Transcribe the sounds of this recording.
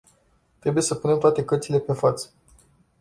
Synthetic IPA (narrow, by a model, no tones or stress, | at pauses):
t̪ɾe̞buje̞səpunemt̪oat̪e̞kərt̪sile̞pe̞fat̪sə̥